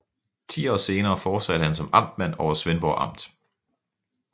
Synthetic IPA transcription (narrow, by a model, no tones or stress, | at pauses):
t͡sʰḭːɒ̰ːse̝ːnɐːfɒ̥ːsæd̥əhænsɒ̽mɑ̈m̰d̥̚mæn̰ɒʊɐsʋenb̥ɒʔɑ̈m̰d̥